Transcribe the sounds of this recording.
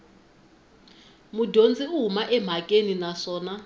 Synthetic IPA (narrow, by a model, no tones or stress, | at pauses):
mudʱond͡zʱiuɦumaʔɛm̤ʱakʼeninaʂɔːna